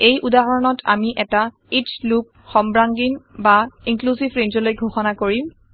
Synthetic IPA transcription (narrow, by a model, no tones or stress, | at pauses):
ejʔudaɦɔɹɔnɔtʰa̰miʔɛta | it͡ʃlup̚xɔmbɹaŋɡinbaiŋklusivɹenzɔlojɡʱoxɔnakoɹim